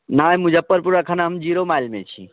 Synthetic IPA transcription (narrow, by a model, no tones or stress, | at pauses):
naːmʊd͡ʒʱəpːəɾpuːɾakʰaːnaɦəmd͡ʒiːɾomaːilmḛ̃t͡ʃʰḭ